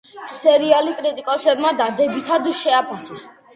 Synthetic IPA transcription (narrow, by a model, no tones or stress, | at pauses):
sɛɾialikʼɾit̪ʼikʼɔsɛbmad̪ad̪ɛbit̪ʰad̪ʃɛapʰasɔs